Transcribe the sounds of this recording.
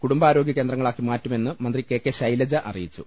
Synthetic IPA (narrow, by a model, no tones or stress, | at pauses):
kuɽumbaːɾoːɡjɐkːe̞ːndrɐŋɐɭaːkːimaːtːume̞nːɨmɐnd̪rike̞ːkːeɕɐjlɐd͡ʑɐʔɐ̰rijit͡ɕːṵ